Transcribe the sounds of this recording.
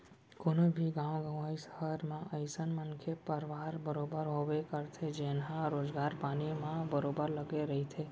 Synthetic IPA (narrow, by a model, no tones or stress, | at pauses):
koːnobʱiɡãʋɡə̃ʋaisə̥ɦəɾmãʔəjsənmənkʰepəɾʋaɾbəɾobəɾɦoʋekəɾt̪ʰed͡ʒenɦãɾoːd͡ʒɡaɾpaːnimãbəɾobəɾləɡeɾəɦit̪ʰe